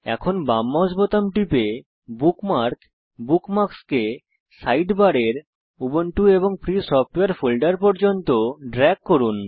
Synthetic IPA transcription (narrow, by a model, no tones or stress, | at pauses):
ɛ̰kʰonbamːɔd͡ʑbot̪amʈipe | bukmaɾk | bukmakske | sajɖbaɾeɾ | uboɳʈueboŋfʰɾisɔfʈoeaɾfulɖaɾpɔɾd͡ʑont̪oɖɾɛɡkːoɾun